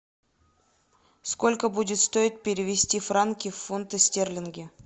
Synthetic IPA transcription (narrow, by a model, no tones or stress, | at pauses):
sko̞lʲkəbudʲɪt̪st̪o̞ɪt̪̚pʲɪɾʲɪvʲɪsʲtʲifrankʲɪfːunt̪əsʲtʲerlʲɪnɡʲɪ